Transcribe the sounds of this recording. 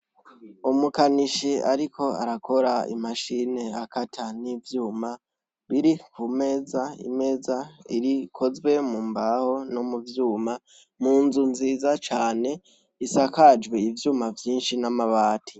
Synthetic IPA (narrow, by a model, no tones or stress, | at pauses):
umukaniʃiaɾikʰo̞a̰ɾako̞ɾaḭmaʃine̞akatʰanivjuːma | βiɾikʰume̞ːzaḭme̞ːzaḭɾikʰo̞zwe̞mumbaho̞nomuvjuːma | muːnzunziːzat͡ʃaːne̞ | isakad͡ʒweivjuːmavjiːnʃinamaβaːtʰi̥